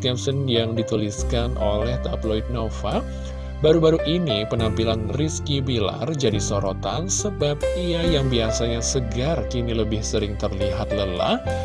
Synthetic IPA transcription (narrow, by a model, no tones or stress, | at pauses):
kɛmsənjaŋdit̪uliskanʔo̰lɛht̪aploit̪̚nofa | baɾubaɾuʔinipənampilanriskibila̰rd͡ʒadisoɾot̪ansəbap̚iajaŋbiasaɲasəɡart͡ʃiniləbɪhsəɾɪŋt̪ərliɦat̪̚ləla̰h